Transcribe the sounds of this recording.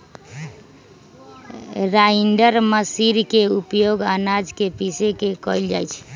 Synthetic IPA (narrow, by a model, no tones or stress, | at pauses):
ɾaiɳɖəɾməsiɾkeupjoɡanad͡ʒkepisekekɔjld͡ʒajt͡ʃʰ